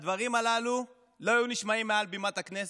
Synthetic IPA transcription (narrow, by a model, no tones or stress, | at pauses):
d̪vaʁimalalu | lo̞ajuniʃmaimːealbimat̪aknes